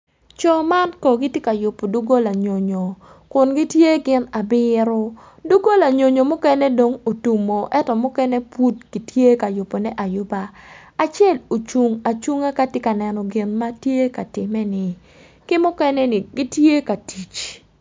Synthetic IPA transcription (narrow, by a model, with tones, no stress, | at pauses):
t͡ʃɔ˨ma˦nkɔ˨ɡɪ˦tje˦ka˨jʊ˨pːo˨du˦ɡo˦la˨ɲo˨ɲo˨ | kʊ˨nɡi˦tje˦ɡɪ˦na˨bɪ˦ɾʊ˦ | du˦ɡo˦la˨ɲo˨ɲo˨mʊ˦kɛ˦nɛ˦do˨ŋo˨tu˨mo˨ʔɛ˦tɔ˨mʊ˦kɛ˦nɛ˦pu˦t̚ɡ̥i˨tje˦ka˨jʊ˨pːo˨nɛ˦ʔa˨jʊ˦baː˦˨ | t͡ʃjɛ˦˨lo˨t͡ʃu˨ŋa˨t͡ʃu˦ŋa˦ka˦tjɪ˦ka˨nɛ˨nɔ˨ɡɪ˨nma˦tje˦ka˨tɪ˨mɛ˦nɪ˨ | kɪ˦mʊ˦kɛ˦nɛ˦nɪ˨ɡɪ˦tje˦ka˨ti˨t͡ʃ